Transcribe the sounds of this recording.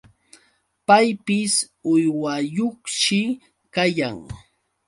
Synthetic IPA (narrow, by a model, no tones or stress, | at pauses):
pajpɪs | ʊjwajoχʃɪ | kajaŋ